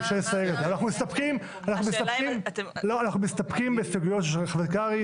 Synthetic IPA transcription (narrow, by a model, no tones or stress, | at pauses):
ʃejesajeɡezeanaχnumist̪ɐpkim | anaχnumist̪akimloanaχnumist̪apkimbesaɡujotʃeʃelχvekaʁi